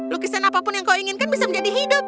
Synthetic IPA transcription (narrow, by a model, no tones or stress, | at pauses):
lʊkisanapapʊnjaŋkawiŋɪnkanbisaməɲd͡ʒadiɦidʊp̚